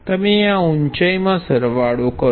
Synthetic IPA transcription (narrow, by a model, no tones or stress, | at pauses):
t̪əmeãuɲt͡ʃəjmãsəɾʋaɽokə